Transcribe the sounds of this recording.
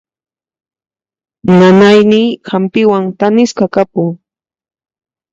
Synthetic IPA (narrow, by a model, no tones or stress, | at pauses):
nanajnɪːxampɪwaŋt̪anɪskakapʊŋ